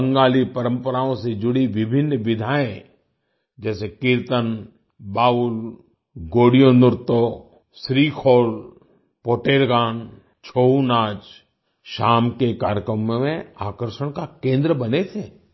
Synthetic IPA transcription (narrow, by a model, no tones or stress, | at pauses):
əŋɡaːlipɐɾə̃mpəɾaːõsed͡ʒʊɽiʋɪbʱɪnːʋɪd̪ʱaːẽ | d͡ʒɛːsekɪɾt̪ən | baːʊl | ɡoːɽijonʊɾt̪o | sɾiːkʰoːl | poːʈeːɾɡaːn | t͡ʃʰoːɦunaːd͡ʒ | ʃaːmkekaːɾjəkɾəmmẽaːkəɾʃəɽ̃kakẽːnd̪ɾəbɐnet̪ʰeː